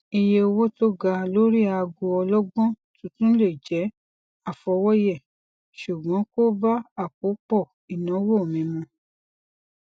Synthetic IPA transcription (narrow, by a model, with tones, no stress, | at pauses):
i˧je˧o˧wo˦to˦ɡa˧lo˦ɾi˦a˧ɡo˧ɔ˧lɔ˦ɡ͡bɔ̃˦ | tũ˨tũ˦le˦˨d͡ʒɛ˨˦ | a˦˨fɔ˨˧wɔ˦jɛ˦˨ | ʃu˨ɡ͡bɔ̃˨˦ko˦ba˦a˦˨k͡po˨˦k͡pɔ˦˨ | i˨nɔ̃˨˦wo˦˨mĩ˧mɔ̃˧